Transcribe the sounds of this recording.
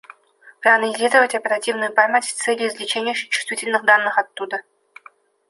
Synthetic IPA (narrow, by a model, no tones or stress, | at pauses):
pɾanɐɪzʲidəvətʲɐpʲeɾatʲivnʊjʊparmatʲt̪sɛlʲjizʲlʲɪt͡ɕenʲɪjəʂɪt͡ɕu̥st̪vʲitʲɪlʲnɨxd̪ɑnːɨχat̪ːud̪ə